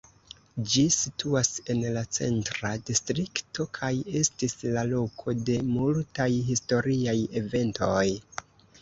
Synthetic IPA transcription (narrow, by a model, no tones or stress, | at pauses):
d͡ʒisitʰuase̞nlat͡se̞̰ntɾadistɾikto̞kʰaje̞stislalo̞kʰo̞de̞multajɦisto̞ɾiaje̞ve̞nto̞j